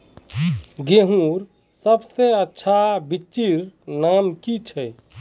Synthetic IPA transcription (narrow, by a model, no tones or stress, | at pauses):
ɡeɦũɾ | səbseətːʃʰabit͡ʃiɾnamkit͡ʃʰɛ